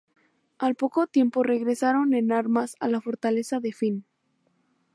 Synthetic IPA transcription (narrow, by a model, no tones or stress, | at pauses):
alpo̞ko̞t̪je̞mpo̞re̞ɣɾe̞saɾo̞ne̞naɾmasa̰lafo̞ɾt̪ale̞saðefin